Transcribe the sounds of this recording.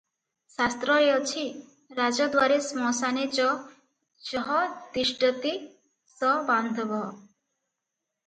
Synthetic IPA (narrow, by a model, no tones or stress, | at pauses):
sast̪ɾɔeɔt͡ʃʰi | ɾad͡ʒɔd̪waɾesmɔsanet͡ʃɔ | t͡ʃɔɦɔd̪iʃʈət̪i | sɔband̪ʱbɔɦ